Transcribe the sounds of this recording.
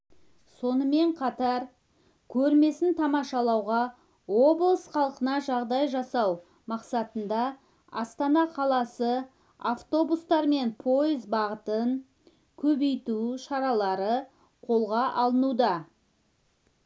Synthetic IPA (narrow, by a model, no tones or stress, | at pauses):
so̞nəme̞ɴqʰɑt̪ɑɾ | kʲʰɵɾme̞sɪnt̪ʰɑmɑʃɑlˠɑwʁɑ | wo̞blˠəsχɑlˠqənɑʒɑʁd̪ɑjʒɑsɑw | mɑqsɑt̪ənd̪ɑ | ɑst̪ɑnɑqʰɑlˠɑsə | aft̪o̞bust̪ɑɾme̞npʰo̞jizbɑʁət̪əɴ | kʲʰɵbe̞jt̪uʃɑɾɑlˠɑɾə | qʰo̞lˠʁɑʔɑlˠənud̪ɑ